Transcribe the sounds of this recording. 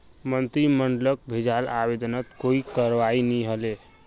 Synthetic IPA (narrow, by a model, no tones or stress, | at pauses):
mənt̪ɾiməɳɖlək̚bʱed͡ʒalabed̪ənət̪koikəɾʋainiɦəle